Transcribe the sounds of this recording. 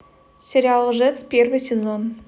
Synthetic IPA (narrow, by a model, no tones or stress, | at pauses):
sʲeɾʲialˠəʐɛt̪spʲervɨjsʲezon